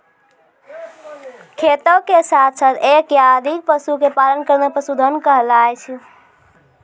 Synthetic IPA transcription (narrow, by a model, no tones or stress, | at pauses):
kʰet̪əkesat̪ʰsat̪ʰekjad̪ʱik̚pəsukepalənkəɾnepəsud̪ʱənkəɦlajt͡ʃʰɛ